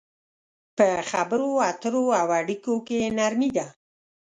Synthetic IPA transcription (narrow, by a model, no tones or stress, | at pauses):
pəxabəɾoat̪əɾoawaɽikokenaɾmid̪a